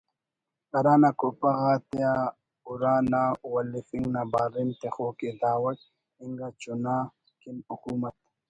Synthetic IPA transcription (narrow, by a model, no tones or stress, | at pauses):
ɐɾaːnakopɐɣaːt̪a | uɾaːnawɐlifiŋnabaːɾint̪exoːked̪aːwɐk | iŋɡat͡ʃuna | kinukuːmɐt̪̚